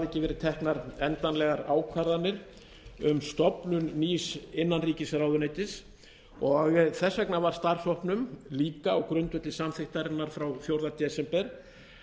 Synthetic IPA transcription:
ɛhcːɪvɛːɾɪ̥t̪ʰɛhknaɾɛnt̪anlɛɣaɾaːwkʰvaɾðanːɪɾ̥ | ʏmst̪ɔpnʏnːiːsɪnːanriːcɪsɾawðʏneːjt̪ɪs | ɔɣθɛsːɛknavaɾ̥st̪ar̥sɔhpnʏmliːkaɔwkɾʏnt̪vʏt̪lɪsamθɪht̪aɾɪnːaɾ̥fɾawθjowɾðat̪ɛsɛmpɛɾ̥

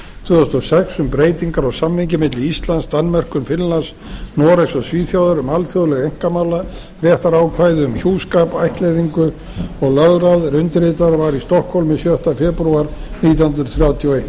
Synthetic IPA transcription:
t̪ʰvʏːθʏst̪ɔsɛksʏmpɾeːjt̪iŋkaɾɔɣsamːɪɲcɪmɪt̪lɪist̪lanst̪anːmɛr̥kʏnfɪnlans | nɔːɾasɔɣsviːθjawðaɾʏmalθjowðlɛɣejŋ̥kamala | rjɛht̪aɾaːwkʰvajðʏʏmçuːskaːpajht̪lejðiŋkʏ | ɔɣlœðɾaðrʏnt̪ɪɾet̪aɾvaɾist̪ɔhkhɔwlmɪsjœht̪afɛːpɾuaɾniːt̪jahnt̪ɾʏθɾjawt̪ʰjɔwejt̪

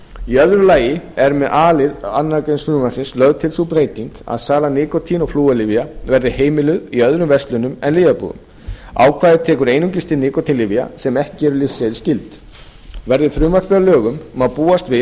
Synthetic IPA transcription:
iœðɾʏlaːjɪɛɾmɛðʔaːlɪðanːakejnsfɾʏmasɪnslœɣt̪ʰɪlsupɾeːjt̪iŋka̰ðsaːlanɪːkɔt̪ʰinɔɣfluːalɪvjavɛɾðɪheːjmɪlʏðiœðɾʏmvɛst̪lʏnʏmɛ̰nliːɣapṵːɣʏ̰m | a̰ːwkʰvaːðɪt̪ʰɛːkʏɾeːjnʏmcɪst̪ɪnɪːkɔt̪ʰinlɪvja̰sɛmɛhcɪɛɾʏlɪfsɛðɪscɪlt̪ | vɛɾðɪfɾʏːmaɾ̥pɛalœːɣʏmmaðpuːast̪vɪ

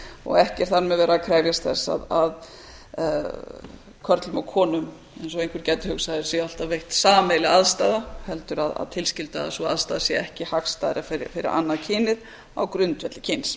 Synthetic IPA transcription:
ɔ̰ɣɛhcɛɾ̥θaɾmɛðvɛːɾakʰɾɛjvjast̪θɛsːa̰ðað | kʰœɾt̪lʏmɔɣkʰɔːnʏm | ɛnsɔejŋkʰvɪɾcɛt̪ːɪ̥hʏksaðɾsjɛal̥t̪avejht̪saːmejlɪaðst̪aːðahɛlt̪ʏɾaða̰ðt̪ʰɪlscɪlt̪a̰ðsɔa̰ðst̪aːðasjɛɛhcɪhakst̪aːðɾɪfɪfɪɾɪ̰ɾa̰nːaðcʰɪːnɪð | a̰wkɾʏnt̪vɛt̪lɪcʰɪns

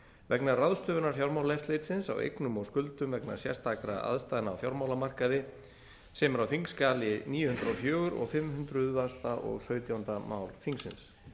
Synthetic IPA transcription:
vɛknaɾraðst̪œːvʏnaɾ̥fjawɾmawlɛft̪lejt̪sɪnsa̰wḛjknʏmɔskʏlt̪ʏmvɛkna̰ɾ̥sjɛ̰rst̪aːkɾa̰a̰ðst̪ajðɪna̰ːwfjawɾmawlamar̥kaðɪ | sɛmʏɾawfiŋkskaːlɪniːjʏhʏnt̪ɾɔfjœːɣʏɾɔ̰ɣfɪmhʏnt̪ɾʏðvast̪aʔɔ̰ɣsœːɥt̪jawnt̪ama̰ːwlfiŋksɪ̰ns

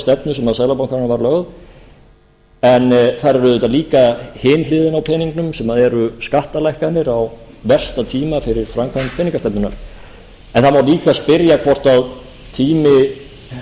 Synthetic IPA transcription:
st̪ɛpnʏsɛmaðsaɣlapawŋkaɾnavaɾlœɣð | ɛnθaɾɛɾʏðʏt̪aliːkahɪːnlɪːðɪnawpʰɛːniŋknʏmsɛmaðɛɾʏskaht̪alajhkanɪɾaw | vɛr̥st̪at̪ʰiːmafɪɾɪɾ̥fɾamkʰanpʰɛniŋkast̪ɛp̚nʏna̰ɾ̥ | ɛnθamawliːkaspɪɾjakʰvɔr̥t̪aw | t̪ʰiːmɪ

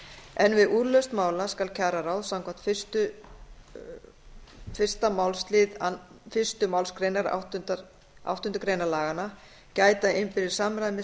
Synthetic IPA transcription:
ɛnvɪðuɾlœst̪maːwlaskalcʰaɾaɾawðsawŋkʰan̥t̪fɪst̪ʏ | fɪr̥st̪amawlst̪lɪðafɪ̥st̪ʏmawlskɾeːjnaɾa̰wht̪nt̪a | a̰wht̪ʏnt̪ʏkɾeːjnalaːɣana | caːjt̪aɪmfɪɾɪ̥saːmɾaðmɪ

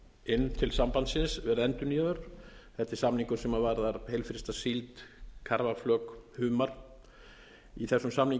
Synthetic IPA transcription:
ɪnːt̪ʰɪlsampant̪sɪnsvɛɾðɛnt̪ʏniaðʏɾ̥θɛht̪ːɛɾ̥samniŋkʏ̥sɛmavaɾðaɾhejlfɾɪst̪asilt̪kʰaɾvaflœːkhʏːmaɾ̥ | iθɛsːʏmsamniŋ

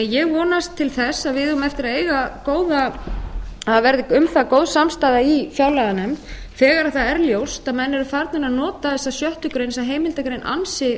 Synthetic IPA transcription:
jɛɣvɔːnast̪ʰːɪlθɛsːaðvɪðmɛft̪ɪɾaðeːjɣakoːwða | avɛɾðɪʏmθakowðsamst̪aːjðaifjawlɛɣðanɛmt̪ | fɛːɣaɾaðθaðɛɾljowst̪aðmɛnːɛɾʏfaɾt̪nɪnaðnɔːt̪aðɛsːasjœht̪ʏkɾejnsaɦeːjmɪlt̪akɾejnʔa̰nsɪ

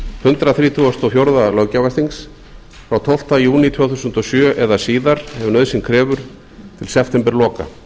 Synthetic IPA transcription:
hʏnt̪ɾaθɾiːt̪ʰuɔst̪ɔfjowɾðalœɣcavast̪iŋs | fɾawt̪ʰɔwl̥t̪ajuːnit̪ʰvœːθusʏnt̪ɔsjœːʔɛðasiːðaɾ̥hɛvnœðsɪnkʰɾɛːvʏɾ̥ | t̪ʰɪlsɛpʰt̪ʰɛmpɛɾlɔːka̰

